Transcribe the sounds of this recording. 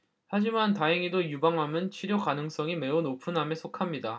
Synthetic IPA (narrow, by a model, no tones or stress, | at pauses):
had͡ʑimantaɦeŋidojubaŋɦamjɯnt͡ɕʰiɾjokanɯŋs͈ʌŋime̞unopʰunɦame̞sʰokʰamɲida